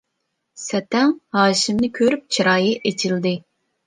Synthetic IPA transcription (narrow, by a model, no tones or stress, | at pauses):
sɛt̪ɛŋhɑːʃimnɪkʲʰøɾyp̚t͡ʃʰiɾɑːjiʔet͡ʃʰild̪ɪ